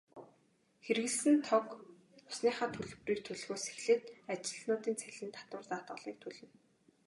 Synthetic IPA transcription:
xeɾ̆ɣɘ̆ɮsɘ̆nt̪ʰɔk | ʊ̥sniːχaːt̪ʰɵɮ̆priːk̚t̪ʰɵɮ̆ɣoːse̥xɮɘ̆t̪at͡ɕɪ̆ɮnʊːt̪iːnt͡sʰæɮʲɘ̆nt̪ʰḁt̪wə̆rt͡saːt̪ɢə̆ɮiːk̚t̪ʰɵɮɘ̆n

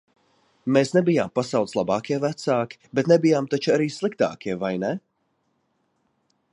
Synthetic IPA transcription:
meːsnɛbijaːmpasawt̪slˠabaːkʲiɛvæt̪saːkʲi̥bɛt̪nɛbijaːmt̪at͡ʃaɾiːslˠikt̪a̰ːkʲiɛvajnɛ

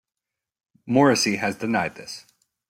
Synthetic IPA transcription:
mɔɹɨsiɨzdɨnaɪd̪̚ðɪ̰s

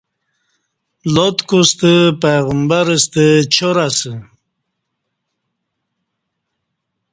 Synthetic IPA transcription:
lot̪kust̪əpeɣəmbaɾəst̪ət͡ɕʰoɾasə

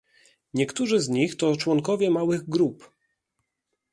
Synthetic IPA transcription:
ɲɛkt̪uʐɘzɲixt̪ɔt͡ʂwɔŋkɔvʲjɛmawɘɣɡɾup

